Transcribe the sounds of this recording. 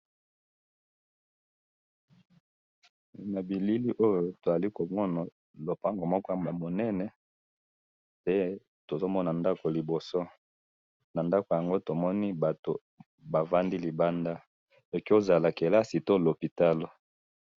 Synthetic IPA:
na˨bi˨li˦li˦ʔo˦jo˨to˨za˨li˦ko˨mɔ˦na˨ | lo˨pa˦ŋɡo˨mɔ˦kɔ˦˨a˨mo˨nɛ˦nɛ˨ | pe˦ | to˨zo˦mɔ˦na˨nda˦ko˨li˨bo˨so˦ | na˨nda˦ko˨ja˨ŋɡo˦to˨mɔ˦ni˦ba˨to˨ | ba˨va˦ndi˦li˨ba˦nda˦ | e˨ki˦o˦za˨la˨ke˨la˦si˨to˦lo˨pi˨ta˦lo˨

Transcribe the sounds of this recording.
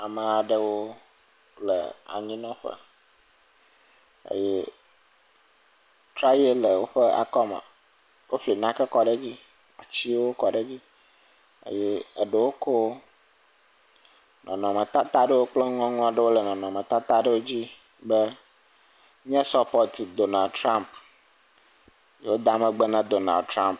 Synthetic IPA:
a˨mə̃˨a˨ɖə˦wo˦ | lə̰˨a̰˨ɲĩ˦nɔ̃˦ɸə̰˦ | ḛ˦jɛ˦ | t̪ɾa˦je˦lə˨wo˦ɸə˦a̰˨kɔ˦mã̰˨ | wʔo˦fli˨nã˦kə˦kɔ˦ɖə˦d͡ʑi˦ | a˨t͡ɕi˦wo˦kɔ˨ɖə˦d͡ʑi˦ | ə̰˦jɛ˦e˨ɖe˨wo˦ko˦ | nʔɔ̰̃˨nɔ̃˨mɛ̃˨t̪a˦t̪a˦ɖə˦wo˦k͡ple˦ŋ˦ɔ̃˦ŋũ˦a˨ɖe˦wo˦le˨nɔ̃˨nɔ̃˨mɛ̃˨t̪a˦t̪a˦ɖe˦wo˦d͡ʑi˦ | bə˦ | ɲɛ̃˦sɔ˦pɔ˦t̪i˨d̪o˨na˨lt̪ɾã˦mp | je˦wo˦d̪a˦mɛ̃˨ɡ͡be˦nã˦d̪o˨na̰˨lt̪ɾã˦mp̚

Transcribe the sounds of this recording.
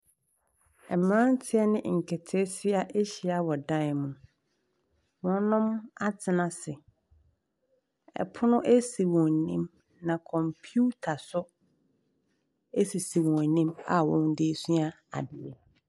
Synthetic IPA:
ɛ˨mɾã˦n˦tʰɪ˦ɛ˦nɪ̃˦ŋ̩˨kʰɛ˨tʰe˦sɪ˦a˦ʔe˦ɕi˨˦a˦wɔ˨dã˦ɪ˨mʊ̃˨ | wɔ̃˦nʊ̃˦ma˦tʰɪ˨nã˨sɪ˨ | ɛ̰˨pʰʊ˦nʊ̃˦ʔe˦si˨wɔ̃˨n˨nḭ̃˦m | nã˨kʰɔ̃˨mpʰju˦tʰa˨sʊ˦ | e˦si˨si˨wɔ̃˨nĩ˦ma˨wɔ̃˦ndɪ˦sũ˦a˦ | a̰˨bɪ˨ɛ˨

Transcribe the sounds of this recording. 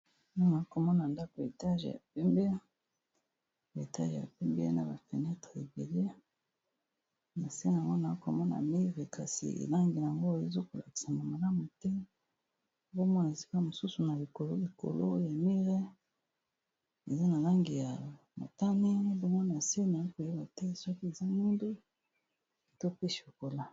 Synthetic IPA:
na˦na˨˦ko˨mɔ˦na˨nda˦ko˨e˨ta˦ʒja̰˨pɛ˦mbe˦ | e˨ta˦ʒe˨ja̰˨pɛ˦mbe˦na˨ba˨fe˨nɛ˦tʁe˨e˨be˨le˦ | na˨se˦na˨ŋɡo˦na˨˦ko˨mɔ˦na̰˨mi˦ʁe˨ka˨sḭ˨ʔḛ˨la˦ŋɡi˨a˨ŋɡo˦e˨zo˦ko˨la̰˨ki̥˨sa˨na˨ma˨la˦mu˨tɛ˦ | bo˦mɔ˦na˨e˨si̥˦ka˦mo˨su˦su˨na˨li˨ko˨lo˦li˨ko̰˨lo̰˦ja˨mi˦ʁe˦ | e˨za˦na˨la˦ŋɡi˨ja˨ | mo̰˨ta˦ne˦n˦bo˦mɔ˦n˨a˨se˦n˨a˨i˦ko˨je˦ba˨te˦˨so˦ki˦e˨za˦mi˦ndo˦˨ | to˦pe˦ʃo˨ko˨la˦

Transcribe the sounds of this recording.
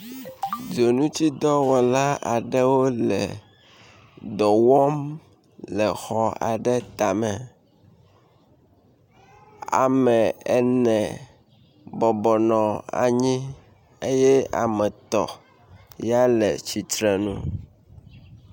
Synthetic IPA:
d͡ʒo˨nũ˦t͡ɕi˦d̪ɔ˦wɔ˨la˦a˨ɖɛ˦wo˦lɛ˨ | d̪ɔ˨wɔ˦m | lɛ˨xɔ˦a̰˨ɖɛ˦t̪a˨mɛ˨ | a̰˨mɛ˨ɛ˨nɛ̃˨ | bɔ˨bɔ˨nɔ̃˨a̰˨ɲĩ˦ | e˦jɛ˦a̰˨mɛ̃˨t̪ɔ̰˨ | ja˦lɛ˨t͡ɕi˨t̪ɾɛ˨nṵ̃˦

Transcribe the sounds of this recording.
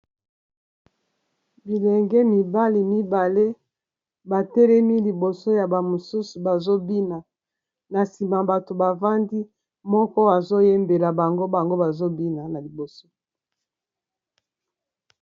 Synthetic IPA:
bi˨lɛ˨ŋɡɛ˦mi˨ba˦li˨mi˦ba˨le˦ | ba˨tɛ˦lɛ˦mi˦li˨bo˨so˦ja˨ba˨mo˨su˦su˨ba˨zo˦bi˦na˨ | na˨si˨ma˨ba˨to˨ba˨va˦ndi˦ | mɔ˦kɔ˦a˨zo˦je˦mbe˨la˨ba˨ŋɡo˦ba˨ŋɡo˦ba˨zo˦bi˦na˨na˨li˨bo˨so˦

